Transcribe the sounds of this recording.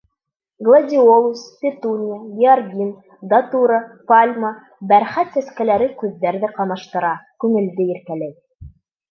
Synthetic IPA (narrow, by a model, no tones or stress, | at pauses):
ɡlˠadʲiolˠuspʲɪt̪unʲɪjajiɑrɡʲin | d̪ɐt̪uɾəpalʲma | bæɾχæt̪sæskælæɾɘkʉðːæɾðɘqɑmɑʃt̪ɤ̆ɾɑkʉŋɘ̆ld̪ɘiɾkælæj